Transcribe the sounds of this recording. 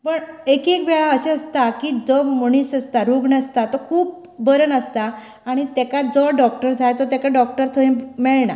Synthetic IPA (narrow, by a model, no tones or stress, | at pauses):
pəɳekekbɛɭaəɕeəst̪akiːd͡zɔmoɳ̃iːsəst̪aɾuɡɳəst̪at̪ɔkʰuːp̚ | bəɾənəst̪aː | ɽ̃it̪ɛkad͡zɔɖɔk̚ʈəɾd͡zʱajt̪ɔt̪ɛkaɖɔk̚ʈəɾt̪ʰəẽmɛɭɳa̰